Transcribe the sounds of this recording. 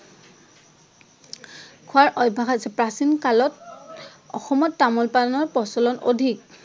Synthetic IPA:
kʰʊaɹʔɔjbʱaxasɛpɹasinkalɔt | ɔxɔmɔtːamɔlpanɔɹpɔsɔlɔno̰dʱik̚

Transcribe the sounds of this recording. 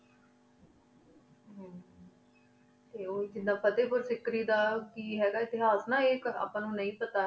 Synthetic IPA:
ɦː | t̪eːoːd͡ʒɪnãːpʰət̪eːpʊɾsɪkɾiːd̪aːkiːɦɛːɡaːɪt̪ɪɦaːsnãːeːkəɾa̰ːpãːnũːnəĩːpət̪aː

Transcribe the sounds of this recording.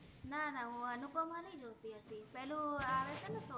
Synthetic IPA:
nanaɦũənupəmãlə̃ĩd͡ʒoʋt̪iɦət̪ipɛɦlũaʋet͡ʃenəso

